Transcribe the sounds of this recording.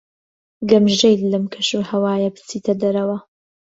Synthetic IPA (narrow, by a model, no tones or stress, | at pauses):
ɡɐmʒejllɨmkʰɐʃuːhɐwaːjɐbɨ̥t͡siːt̪ʰɐd̪ɐɾɐwɐ